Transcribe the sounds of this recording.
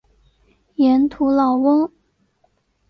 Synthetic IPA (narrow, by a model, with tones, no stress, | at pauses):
jɛ˧˥nt̪ʰu˧˥lɑ˨˩ʊwɤ˥ŋ